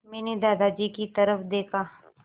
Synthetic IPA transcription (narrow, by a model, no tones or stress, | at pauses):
mɛːned̪aːd̪ad͡ʒiːkit̪ɐɾəfd̪eːkʰaː